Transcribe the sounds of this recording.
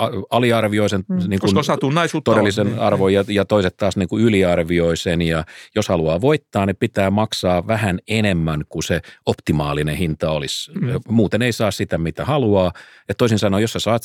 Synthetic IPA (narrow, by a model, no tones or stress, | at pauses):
ɑɑliɑrʋioisenniːŋkunsɑt̪unɑisut̪odelːisenɑrʋojɑjɑt̪oiset̪t̪ɑːsniːŋkuyliɑrʋioisenjɑjoshɑluɑːʋoit̪ːɑːnnipit̪æːmɑksɑːʋæhænenemːæŋkuseopt̪imɑːlinehint̪ɑolismuːt̪eneisɑːssit̪æmit̪æhɑluɑː | et̪t̪oisinsɑnoːjosæsɑːt̪